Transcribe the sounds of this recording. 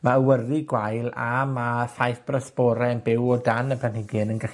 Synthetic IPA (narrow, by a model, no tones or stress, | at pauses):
maəwərɨɡwajlˠa̰maθajθb̥rəsb̥ɔɾɛnbɪwɔdanəbʰɛnhɪɡɨnənɡə